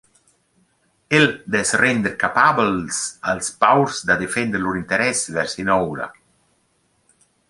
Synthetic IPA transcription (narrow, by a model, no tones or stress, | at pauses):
eld̪ɛsrɛnd̪eɾkapablsalspawɾsd̪ad̪efɛnd̪əɾluɾint̪eɾɛsvɛɾsinɔwɾa̰